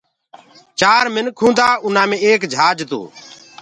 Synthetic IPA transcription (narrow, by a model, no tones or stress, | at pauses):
t͡ʃaːɾmɪnkʰũːnd̪aːʊnãːmẽːeːkd͡ʒʱaːd͡ʒt̪o̰ː